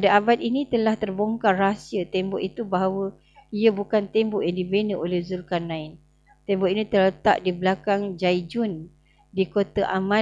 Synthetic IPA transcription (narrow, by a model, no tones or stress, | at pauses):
padaabat̪̚inĩt̪əlaht̪ərboŋkarasiət̪ɛmbɔʔit̪ubaɦawə | iabukant̪ɛmbɔʔjaŋdibenəʔolɛhzulkanːãɪn | t̪ɛmbɔʔinĩt̪ərlət̪a̰ʔdibəlakaŋd͡ʒajd͡ʒʊn | dikot̪aʔamã